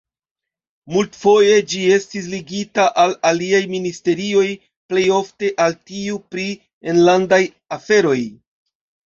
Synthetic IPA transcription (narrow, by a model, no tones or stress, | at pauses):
multfo̞je̞d͡ʒie̞stis̬liɡitaʔalaliajministe̞ɾio̞j | ple̞jo̞fte̞ʔaltiupɾi | enlandaj | afe̞ɾo̞j